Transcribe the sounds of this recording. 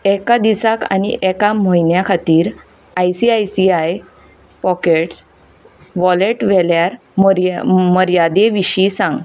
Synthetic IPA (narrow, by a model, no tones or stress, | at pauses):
ɛkad̪isaka̰niʔɛkamoinjakʰat̪iːɾ | ajsiajsiaj | pɔkeʈs | ʋɔleʈʋɛljaɾ | məɾjad̪eʋiɕisãŋɡ